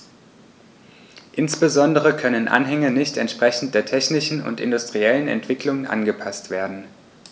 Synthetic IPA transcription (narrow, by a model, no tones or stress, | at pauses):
ʔɪnsb̥əzɔndəʁ̞əkʰœnənʔa̰nɦɛŋənɪçtɛ̰ntʃpʁ̥ɛçn̩t̚d̥eːɐtʰɛçnɪʃn̩ʊ̰ntɪ̰ndʊstʁ̥iɛlənɛ̰ntv̥ɪklʊŋənʔa̰nɡəpʰastv̥eːɐdn̩